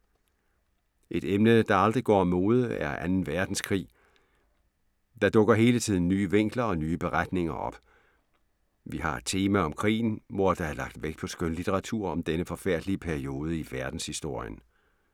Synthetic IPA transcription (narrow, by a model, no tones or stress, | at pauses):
ʔe̝d̥emnəd̥ɑ̈ɑ̈ld̥ʁiɡ̥ɒ̰ːmo̝ːð̞ˠəæɐʔænn̩ʋæɐd̥n̩skʰʁḭː | d̥ɑ̈d̥ɔ̽ɡ̥ɐɦe̝ːlət͡sʰiðˠn̩ːyːəʋeŋ̰ɡ̥lɐɒ̽nyːəb̥e̝ʁad̥ne̝ŋɐʔɒ̽b̥ | ʋiɦɑ̈e̥t͡sʰe̝ːmæɒ̽mkʰʁḭːn̩ʋɒːd̥ɑ̈æɐlɑ̈ɡ̥d̥ʋeɡ̥d̥pʰɒ̽sɡ̥ønlit͡sʰeʁɑ̈t͡sʰuɐ̰ɒ̽md̥enəfɒ̽fæɐ̰d̥liəpʰæɐio̝ːð̞ˠəiʋæɐd̥n̩shisd̥o̝ɐ̰jə̰n